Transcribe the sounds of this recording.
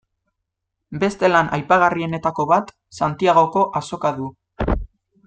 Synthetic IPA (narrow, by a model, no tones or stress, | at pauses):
be̞st̪e̞lanʔajpaɣ̞arie̞ne̞t̪ako̞βat̪ | sant̪iaɣ̞o̞ko̞ʔaso̞kaðu